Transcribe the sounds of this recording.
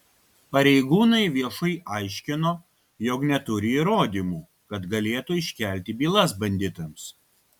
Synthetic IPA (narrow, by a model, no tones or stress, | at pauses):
pɐɾʲɛɪɡuːnɐɪʋʲiɛʃɐɪʔɑˑɪʃʲkʲɪnoː | joːknʲɛt̪ʊɾʲɪiːɾoːd̪ʲiːmuː | kɐt̪ɡɐlʲeːt̪uɪʃʲkʲæˑlʲt̪ʲɪbʲiːlˠɐsbɐnʲd̪ʲɪt̪ɐms